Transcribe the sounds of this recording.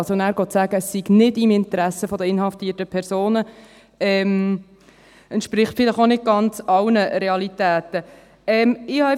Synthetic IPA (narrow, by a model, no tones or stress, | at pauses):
sonæːɾɡɔtsæːɡəəsːiɡnɪdimɪntəɾæsəfɔdəɪnhɑftiːtəpʰɛɾsoːnə | ɛm | ɛnt̪ʃpɾɪχtfɪləχonɪd̚ɡ̥ɑnt͡sɑlnəɾɛɑlitæːtə | ɛmɪhɑ